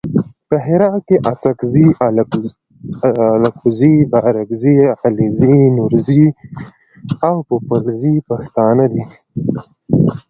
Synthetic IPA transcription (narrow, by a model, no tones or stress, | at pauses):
pəɦɪɾɑt̪̚keʔat͡sakzi | lakuzibaɾaɡzializinuɾzi | awpəpəlzipaxt̪ɑːnad̪i